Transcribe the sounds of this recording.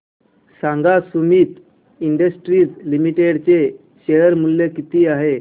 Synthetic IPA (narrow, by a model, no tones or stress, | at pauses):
sãŋɡasumiːt̪ | iɳɖəsʈɾiːd͡zlimiʈeɽt͡se | ɕeəɾmulːekit̪iːaɦe